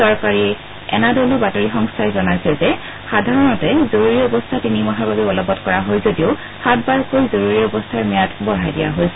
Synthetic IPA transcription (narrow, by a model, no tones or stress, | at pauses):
sɔɹkaɹi | ɛ̰nadɔlobatoɹixɔŋstʰajzɔnajsɛzɛ | xadʱaɹɔnɔtɛzoɹuɹiɔbɔstʰatinimɔɦababɛɔlɔbɔtkɔɹaɦojzodiʊ | hat̚baɹkojzoɹuɹiɔbɔstʰaɹmijatbɔɹajdija̰ɦojsɛ